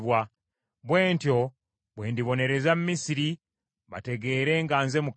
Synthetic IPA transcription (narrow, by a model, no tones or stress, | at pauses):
βwa | βwe̞ːntjo̞ | βweːndiβo̞ne̞ɾe̞zamumisiɾi | βa̰te̞ɡe̞ːɾe̞ːŋɡaːnze̞muk